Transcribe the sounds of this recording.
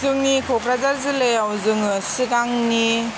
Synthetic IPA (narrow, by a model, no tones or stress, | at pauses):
zɯŋnikʰɔkɾazaɾzɯlejawzɯŋsiɡaŋni